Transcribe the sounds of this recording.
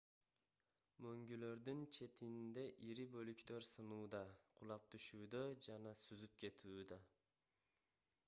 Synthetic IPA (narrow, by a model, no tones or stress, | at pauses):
møŋɡylø̞ɾd̪ynt͡ʃʰe̞t̪ind̪e̞ʔiɾibø̞lykt̪ø̞ɾsɯnuːd̪ɑqʰʊlˠɑp̚t̪ʰyʃuːd̪ød͡ʒɑnɑsyzyp̚kʲe̞t̪ʰuːd̪ɑ